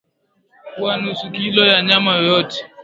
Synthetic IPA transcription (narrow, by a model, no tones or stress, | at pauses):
kwanusukilɔjaɲamajɔjɔtɛ̥